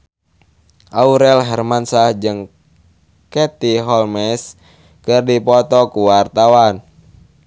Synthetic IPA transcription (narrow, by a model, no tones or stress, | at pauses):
ʔauɾɛlɦɛrmansahd͡ʒɨŋ | kɛt̪iɦɔlmɛs | kɨrdipɔt̪ɔkuwart̪awan